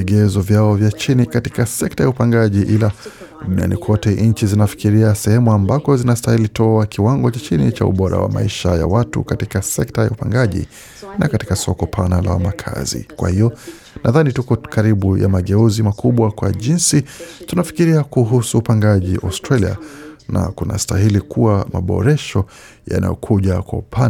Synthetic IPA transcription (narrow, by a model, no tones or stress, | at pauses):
ɛɡɛzɔvjaɔvjat͡ʃinikatikasɛk̚tajaupaŋɡaʄiʔila | ɗunia̰nikwɔtɛʔɲ̩t͡ʃizinafi̥kiɾiasɛhɛmuambakɔzinastailitʰɔakiwaŋɡɔt͡ʃat͡ʃinit͡ʃaṵɓɔɾa̰wa̰ma̰iʃa̰ja̰watṵkatikasɛk̚taja̰upaŋɡaʄḭ | nakatikasɔkɔpʰanala̰wamakʰa̰zḭkwa̰hijɔ | nʔaðanitukɔkaɾiɓuja̰maɠɛuzimakʰuɓwakwaʄinsitunafi̥kiɾiakuɦusuːpaŋɡaʄiʔa̰stɾalia̰nʔa̰kuna̰staɦilikuwamaɓɔ̰ɾɛʃɔ | ja̰na̰jɔ̰kʰuʄakwa̰upʰan